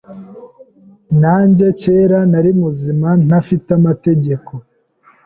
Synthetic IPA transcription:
naːɲɟe̞ce̞ːɾanaɾimuziman̥afitamate̞ɟe̞ko̞

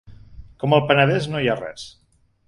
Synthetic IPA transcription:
kɔməlˠpənəðɛznojarɛ̰s

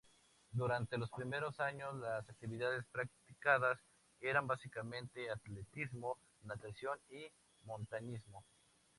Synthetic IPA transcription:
d̪uɾant̪e̞lo̞spɾime̞ɾo̞saɲo̞slasak̚t̪iβiðaðespɾak̚t̪ikaðas | e̞ɾambasikamẽ̞nt̪e̞at̪let̪izmo̞ | nat̪asjo̞ni | mõ̞nt̪aɲizmo̞

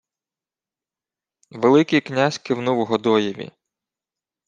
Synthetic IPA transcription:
ʋelˠɪkijknʲazʲkɪwnuwɦɔd̪ɔjiʋʲḭ

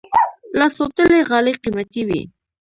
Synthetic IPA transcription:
lasot̪əleɣɑleqimat̪iwḭ

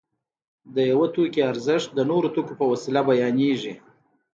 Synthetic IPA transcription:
d̪əjawat̪okeaɾzɪʂt̪̚d̪ənoɾot̪okopəwasilabajɑneʐi

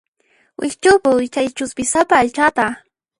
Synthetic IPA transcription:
wʔɪ̰kt͡ʃʊpʊt͡ʃajt͡ʃʊspɪsapaːʎt͡ʃat̪a

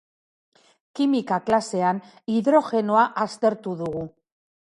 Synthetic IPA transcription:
kimikaklase̞an | iðɾo̞xe̞noaʔast̪e̞ɾt̪uðuɣu

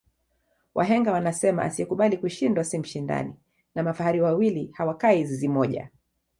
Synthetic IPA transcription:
wʔaɦɛŋɡawanasɛma̰ʔa̰siɛkuɓalikuʃindwasim̩ʃinda̰nḭ | namafahaɾiwawilihawakaizizimɔʄa̰

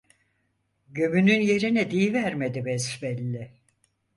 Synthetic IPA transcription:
ɟømynynje̞ɾinɛd̪ijvæɾmed̪ibɛzbɛlʲːɛ

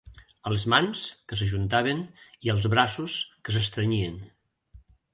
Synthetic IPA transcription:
əlezmanskəs̬əʒunt̪̬aβ̞əniəlˠzβɾasuskəsəst̪ɾəɲien

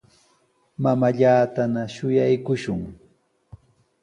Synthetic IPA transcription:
mamaʎaːt̪anaʃʊjajkʊʃʊŋ

